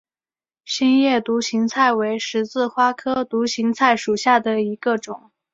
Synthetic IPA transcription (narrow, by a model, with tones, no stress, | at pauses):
ɕi˥njɛ˥˩t̪u˧˥ɕi˧˥ŋt͡sʰa˥˩ɪwe˧˥ɪʂɻ̩˧˥t͡sɹ̩˥˩xwa˥kʰɤ˥t̪u˧˥ɕi˧˥ŋt͡sʰa˥˩ɪʂu˨˩ɕja˥˩d̪ə˩i˧˥ɡə˧ʈ͡ʂʊ˨˩˦ŋ